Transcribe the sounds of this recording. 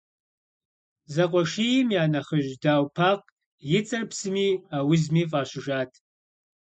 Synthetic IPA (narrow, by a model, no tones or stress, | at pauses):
zɐqʷʼɔʂijɪmjaːnɐχəʑdaːwpʰaːq | jɪt͡sʼɐrpsɨmiːaːwɪzmiːfʼaːɕʷɪʒaːtʰ